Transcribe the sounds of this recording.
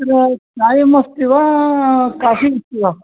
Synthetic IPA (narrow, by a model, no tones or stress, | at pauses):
ɾnaːjimɐst̪iʋa | kaːfist̪iʋa